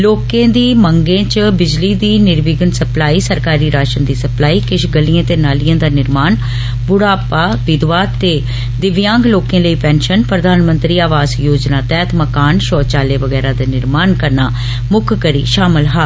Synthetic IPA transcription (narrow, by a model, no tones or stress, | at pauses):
loːkẽːd̪iːməŋɡẽːt͡ʃbɪd͡ʒliːd̪iːnɪɾʋiːɡənsəplaːiːsəɾkaːɾiːɾaːʃənd̪iːsəplaːiːkɪʃɡəliːãːt̪eːnaːlijãːd̪aːnɪɾmaːn | bʊɽaːpaːʋɪd̪ʋaːt̪ːeː | d̪ɪʋjãːŋɡloːkẽːləiːpɛ̃ːnʃənpɾəd̪ʱaːnmə̃nt̪ɾiːaːʋaːzjoːd͡ʒnaːt̪ɛːt̪ʰməkaːnʃɔːt͡ʃaːleːʋəɡɛːɾãːd̪aːnɪɾmaːnkəɾna̰ː | mʊkʰkəɾḭːʃaːmɪlɦaː